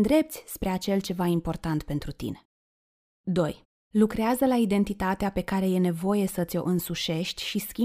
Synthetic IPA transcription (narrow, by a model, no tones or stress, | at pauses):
d̪ɾe̞pt̪sʲspɾe̞at͡ʃe̞lt͡ʃe̞vaimpo̞rt̪ant̪pe̞nt̪ɾut̪ḭne̞̥ | d̪o̞j | lukɾeazəlaid̪e̞nt̪it̪at̪eape̞kaɾe̞je̞ne̞vo̞je̞sət̪sʲo̞̰ʔɨnsuʃe̞ʃt̪ʲʃiskʲi